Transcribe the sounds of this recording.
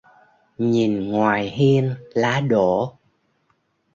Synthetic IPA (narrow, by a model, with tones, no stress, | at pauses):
ɲi˨˩nŋwaː˨˩jɦi˧ənlaː˨˦ɗo˧˩˨